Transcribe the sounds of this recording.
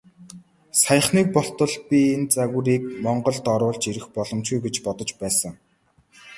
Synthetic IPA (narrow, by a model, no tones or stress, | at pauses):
sajə̆χniːk̚pɔɬt̪ɞ̆ɮpʲient͡saɣŭɾiːk̚mɔɴɢɞ̆ɮt̪ɔɾʊːɮt͡ɕeɾɘ̆xpɔɮɞ̆mt͡ɕɡujɡet͡ɕpɔt̪ɞ̆t͡ɕpæːsə̆ŋ